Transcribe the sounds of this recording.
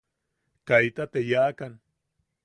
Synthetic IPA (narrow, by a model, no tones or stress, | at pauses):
kajt̪at̪ejaːkan